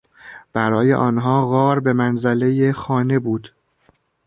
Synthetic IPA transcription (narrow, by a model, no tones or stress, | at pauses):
b̥æɾɒːje̞ʔɒːnɦɒːɣɒːɾbe̞mænzæle̞jexɒːne̞buːd̪̥